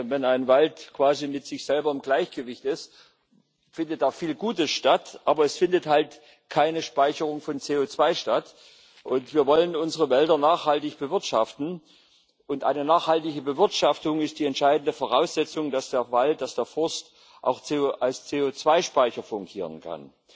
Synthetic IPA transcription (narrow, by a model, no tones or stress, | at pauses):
vɛnaɪnvaltkv̥aːzimɪtz̥ɪçz̥ɛlbɐɪmɡlaɪçɡ̥əvɪçtɪst | fɪndət̚d̥aːfiːlɡuːtəsʃtatʔaːbɐɛsfɪndəthalt | kʰaɪnəʃpaɪçəʁʊŋfɔnt͡seːot͡sv̥aɪʃtat | ʔʊntv̥iːɐvɔlənʊnzəʁəvɛldɐnaːχhaltɪçb̥əvɪɐtʃaftn̩ | ʔʊntʔa̰ɪnənaːχhaltɪɡəbəvɪɐtʃaftʊŋɪstd̥iːɛntʃaɪdn̩dəfoːʁ̞aʊsz̥ɛt͡sʊŋd̥asd̥eːɐvalt̚d̥asd̥eːɐfʏɐst | ʔa̰ʊxt͡seʔalst͡seːoːt͡sv̥aɪʃpaɪçɐfʊŋkɡʰiːʁ̞ənkʰa̰n